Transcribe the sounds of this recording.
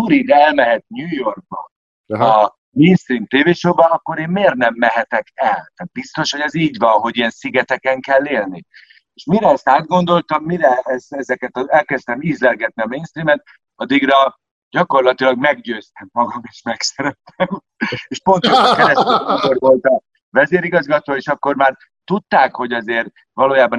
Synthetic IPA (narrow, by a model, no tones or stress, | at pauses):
uɾid̪ɛɛlmɛɦɛt̪̚ɲuːjo̞rɡ̚bɒ̰ | ɒ | meːnst̪rimt̪eːveːʃoːbɒɒkːo̞ɾeːmːeːrt̪nɛmːɛɦɛt̪ɛkɛlt̪aːt̪̚bist̪o̞ʃho̞ɟɛziːɟʋɒnɦo̞ɟijɛnsiɡɛt̪ɛkɛŋkɛlːeːlni | eːʃmiɾɛɛst̪aːd̪̚ɡo̞nd̪o̞lt̪ɒmːiɾɛɛst̪ɛzɛkɛt̪ɒɛlkɛst̪ɛmiːzlɛlɡɛt̪niɒmeːnst̪rimɛt̪̚ | ɒd̪iɡrɒ | ɟɒko̞rlɒt̪ilɒɡmɛɡɟøːst̪ɛmːɒɡɒmeːʃmɛksɛɾɛt̪ɛm | eːʃpo̞nt̪oʃkɛɾɛsmiko̞rvo̞lt̪ɒ | vɛzeːɾiɡɒzɡɒt̪oːeːʃɒkːo̞rmaːr | t̪ut̪ːaːkho̞ɟɒzeːr | vɒloːjaːbɒ